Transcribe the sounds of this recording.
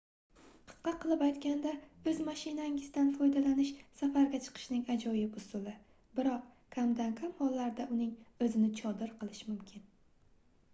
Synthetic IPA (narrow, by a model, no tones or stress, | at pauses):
qʰɨ̥sqɑqʰɨlˠɪpajt̪kʲand̪aɵzmaʃɪnaŋɪz̥d̪anfɒjd̪alanɪʃsafaɾɡʲat͡ʃʰɨ̥qʰɨ̥ʃnɪŋad͡ʒɒjɪbʊsʊlˠɪ | bɪɾɒq̚ | kʲʰamd̪ankʲʰamhɒlːaɾd̪aʊnɪŋɵzɪnɪt͡ʃʰɒd̪ɪɾqʰɨlˠɪʃmʊmkʲʰɪn